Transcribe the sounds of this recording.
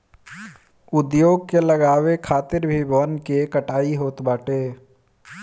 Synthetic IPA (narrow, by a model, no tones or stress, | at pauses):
ʊd̪joːɡ̚kelɐɡaːwekʰaːt̪ɪɾbʱibʱəənkekəʈaːiɦoːt̪baːʈeː